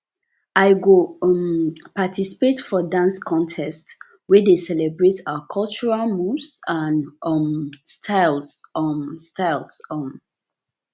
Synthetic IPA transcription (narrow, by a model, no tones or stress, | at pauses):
aɪɡompatʰisi̥petfɔdãnskʰɔ̃ntʰɛst | wɛdesɛlɛbɹetʰaakʰɔlt͡ʃuɹalmuvsãnmstʰaɪlsmstʰaɪlsɔm